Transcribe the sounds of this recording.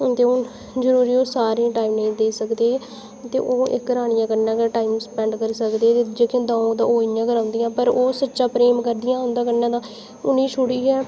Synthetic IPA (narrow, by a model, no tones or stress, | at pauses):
t̪eːʊ | zəɾuːɾiːoːsaːɾẽʈaːiːmnẽːd̪eːsəkd̪eː | t̪ḛːʔoːɪ̰kːəɾaːɽɪjãːkəɾnãːkəʈaːiːmsəpɛ̃ːɳɖkəɾsəkd̪eːt̪eːd͡ʒeːkɪ̃ːd̪ãːõːt̪ã̰ːoːɪjãːkəɾãːnd̪ijãːpəɾoːsətːʃãːpɾeːmkəɾd̪ɪjãːʊnd̪aːkəɾnãːd̪ãː | ʊnĩːʃʊɽiːɛː